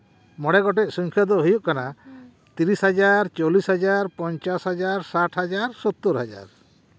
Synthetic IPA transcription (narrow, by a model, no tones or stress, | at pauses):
mɔɽɛɡɔʈɛc̚suŋkʰjad̪ɔɦujuʔkana | t̪iɾisɦad͡ʒaɾt͡ʃolisɦad͡ʒaɾpɔɲt͡ʃasɦad͡ʒaɾsaʈʰɦad͡ʒaɾsɔt̪ːuɾɦad͡ʒa̰ɾ